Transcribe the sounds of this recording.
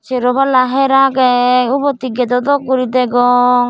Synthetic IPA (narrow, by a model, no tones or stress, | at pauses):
sɛɾɔbalaɦɛɾaɡɛubɔt̪iɡɛd̪ɔd̪ɔkuɾid̪ɛɡɔ